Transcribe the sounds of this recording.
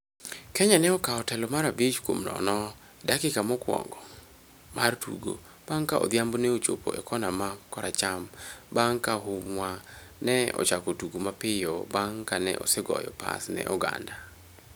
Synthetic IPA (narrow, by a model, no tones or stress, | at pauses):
kɛɲanɛɔkaɔtɛlɔmaɾabit͡ʃkwomnɔ̰nɔ | dakɪkamɔkwɔ̰ŋɡɔ | martṵɡo̰ | b̥aŋkaɔ̰d̪jambonɛot͡ʃo̰po̰ʔɛkɔnamakɔɾat͡ʃambaŋkaɦʊmwanɛɔ̰t͡ʃakotuɡomapɪjɔbaŋkanɛ̰ʔɔ̰sɛɡɔ̰jɔ̰pa̰snɛ̰ʔɔɡa̰nda